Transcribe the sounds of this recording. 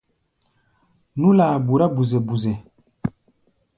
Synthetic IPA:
nu˦laː˨bu˨ɾa˦bu˨ze˨bu˨ze˨

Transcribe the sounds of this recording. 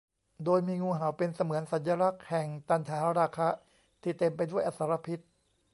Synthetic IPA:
doː˧jmiː˧ŋuː˧ɦa˩˦wpe˧nsa˧mɯ˩˦ənsa˩˦nja˧ɾa˦˥k̚hɛ˨˩ŋt̪a˨˧˦nt̪ʰaː˩˦ɾaː˧kʰa˦˥ | t̪ʰiː˥˩t̪e˧mpa˧jdu˥˩əjʔa˧˩t̪sa˩˦ɾa˧pʰi˦˥t̪̚

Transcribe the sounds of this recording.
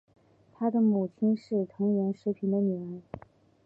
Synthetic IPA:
t̪ʰa˥d̪ə˨mu˨˩t͡ɕʰi˥nʂɻ̩˥˩t̪ʰɤ˧˥ŋɥɛ˧˥nʂɻ̩˧˥pʰi˨˩nd̪ə˧ny˨˩ə˧˥ɪ

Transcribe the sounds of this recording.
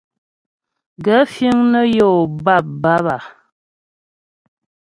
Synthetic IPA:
ɡə˨˦fi˦ŋnə˦jo˦˨ba˦˨p̚ba˦βa˨

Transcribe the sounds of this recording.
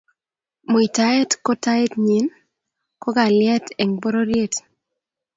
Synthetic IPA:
mo˨i˨ta˦ɛ˦tkɔ˦ta˦e˦tɲi˨n | kɔ˦ɡa˨lɪjɛ˦tɛ˨ŋbɔ˦ɾo˦ɾje˦t

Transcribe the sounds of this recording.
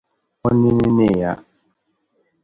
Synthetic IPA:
ɔ˦ni˦ni˦ne˦˨ja˦

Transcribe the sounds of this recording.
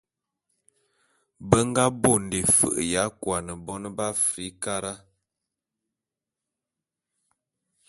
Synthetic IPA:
bə˦ŋ˦ɡa˦bo˦˨n˨de˨fə̰˨ʔja˨˦kwa˨nə˨bɔ˦nə˦ba˦fɾi˨˦ka˦ɾa˦

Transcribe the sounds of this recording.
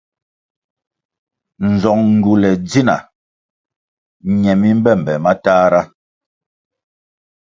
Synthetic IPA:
n̩˨zɔ˨ŋŋ̩˨ɡu˨lɛ˨d͡zi˦na̰˨ | ɲɛ˨mi˦m̩˦bɛ˦˨m̩˨bɛ˨ma˦taː˦ɾa˦

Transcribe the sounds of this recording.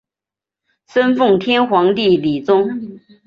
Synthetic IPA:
ʂə˥nfɤ˥˩ŋt̪ʰjɛ˥nxwɑ˧˥ŋt̪i˥˩li˨˩t͡sʊ˥ŋ

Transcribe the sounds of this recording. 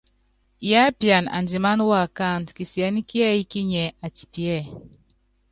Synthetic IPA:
ja˦pja˨na̰˨ndi˨ma˦n˦wa˦˨ka˦˨n˨dki˨si˨ɛ˨˦ni˦ki˦ɛ˦i˦ki˦ɲɛ˨a˨ti̥˨pi˨ɛ˦˨

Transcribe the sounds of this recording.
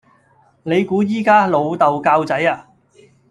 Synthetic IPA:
ne˨˧jkuː˨˥jiː˥kaː˥lo˨˧wt̪ɐ˨wkaː˧wt͡sɐ˨˥jaː˧

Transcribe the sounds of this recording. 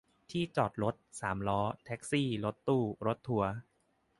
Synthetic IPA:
t̪ʰiː˥˩t͡ɕɔː˨˩t̪̚ɾo˦˥t̪̚saː˩˦mlɔː˦˥t̪ʰɛ˦˥k̚siː˥˩lo˦˥t̪ːuː˥˩ɾo˦˥t̪ʰːu˩˦ɐ

